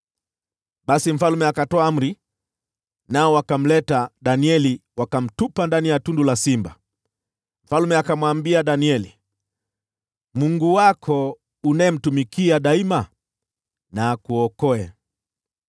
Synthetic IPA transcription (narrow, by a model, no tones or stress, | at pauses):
ɓasim̩falumɛakatɔam̩ɾi | naɔwakam̩lɛtaɗaniɛliwakam̩tupandanijatundulasimba | m̩falmɛakamwambiaɗaniɛlḭ | muŋɡuwakʰɔ | unaːm̩tumikiaɗaima | naːkuɔkɔɛ